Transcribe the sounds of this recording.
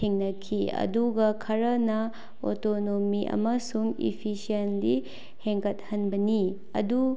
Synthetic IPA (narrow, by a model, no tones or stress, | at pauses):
eŋnɐkʰiɐ̰duɡɐkʰɐɾɐnɐ | o̰tonomiʔɐ̰mɐsuŋḭpʰisienli | heŋkɐt̚hɐnbɐni | ɐ̰du